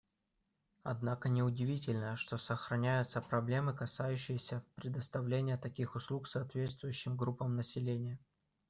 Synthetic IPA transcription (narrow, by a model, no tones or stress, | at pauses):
ɐ̰d̪nakənʲɪʊdʲɪvʲitʲɪlʲnəəʂt̪o̞səxɾɐnʲæjʊt̪səpɾɐblʲe̞mɨkɐsajʉɕːɪjɪsʲəpɾʲɪd̪əst̪ɐvlʲenʲɪjət̪ɐkʲixʊslˠuksɐːt̪vʲe̞t̪st̪vʊjʉɕːɪmɡɾupːəmnəsʲɪlʲenʲɪjə